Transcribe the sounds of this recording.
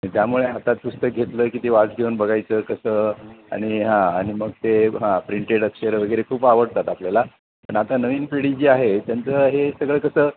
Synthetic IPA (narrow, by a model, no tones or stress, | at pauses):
ĩt̪jamuɭeɦat̪at̪̚pust̪əɡʱet̪ləːkit̪eʋad͡zɡʱeunbəɡajt͡səkəsəa̰ɽ̃iɦãaɽ̃iməɡt̪eɦãpɾiɳʈeʈəkɕeɾəʋəɡəjɾekʰuːpaʋəɽt̪at̪apljala | ppəɳat̪anəʋiːnpiɽid͡ʑiːaɦet̪jant͡səːɦesəɡɭəːkəsəː